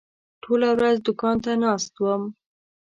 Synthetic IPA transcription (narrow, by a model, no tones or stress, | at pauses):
ʈʰolawɾazd̪ʊkɑnt̪anɑst̪wəm